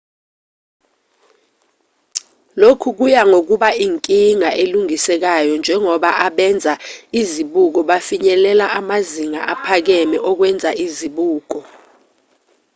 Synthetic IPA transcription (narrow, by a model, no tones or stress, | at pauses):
lokʰuk̬ujaŋok̬uɓaiŋkʼiŋaʔeluŋisɛk̬ajɔnd͡ʒʱɛŋɔɓaʔaɓɛnd͡zʱaiziɓuk̬ɔɓafiɲɛlɛlaʔamaziŋa̰ʔapʰak̬ɛmɛʔɔk̬wɛnd͡zʱaiziɓuːk̬ɔ